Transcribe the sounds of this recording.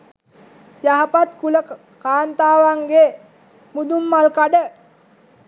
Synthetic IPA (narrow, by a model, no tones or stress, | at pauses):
sjaɦapat̪kulə | kaːnt̪aːʋaŋɡe | mud̪umːalkaɖə